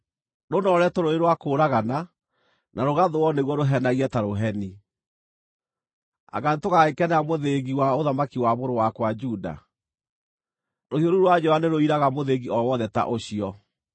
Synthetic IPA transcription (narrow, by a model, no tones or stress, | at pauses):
ɾonɔɾɛtoɾoeɾwakoːɾaɣana | nʔaɾoɣaðowɔneɣwɔɾoɦɛnaɣiɛtaɾoɦɛni | a̰ɣanetoɣaekɛnɛamoðeɣiwaoðamakiwaβoɾowakwad͡ʒuda̰ | ɾohioɾuɾwad͡ʑɔaneɾoiɾaɣamoðeɣiɔwɔðɛta̰ʔoɕiɔ